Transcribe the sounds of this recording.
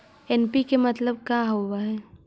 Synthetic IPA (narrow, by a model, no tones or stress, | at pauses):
ɛːnpikemɐt̪ləb̚kaɦowaɦɛː